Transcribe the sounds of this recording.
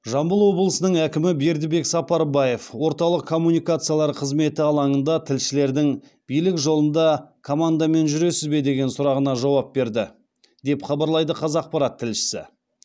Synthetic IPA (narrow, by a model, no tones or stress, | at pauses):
ʒɑmbəlˠwo̞blˠəsənəɴækʲɪmɪbe̞ɾd̪ɪbe̞ksɑpɑɾbɑje̞fwo̞ɾt̪ɑlˠəq̚kʰːo̞mːunijkat̪sɨjalˠɑɾqʰəzme̞t̪ɪɑlˠɑɴənd̪ɑt̪ʰɪlʃɪle̞ɾd̪ɪŋ | b̥ijlɪkʒo̞lˠənd̪ɑkʰomand̪ame̞nʒʏɾe̞sɪzbe̞d̪e̞ɡʲe̞nsʊɾɑʁənɑʒɑwɑp̚be̞ɾd̪ɪ | d̪e̞pχɑbɑɾlˠɑjd̪əqʰɑzɑq̚pɑɾɑt̪ʰːɪlʃɪ̥sɪ̰